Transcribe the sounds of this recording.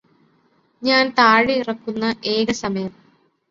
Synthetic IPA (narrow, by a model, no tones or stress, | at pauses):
ɲaːnt̪aːɻiirɐkːunːɐʔeːɣɐsɐmɐjɐm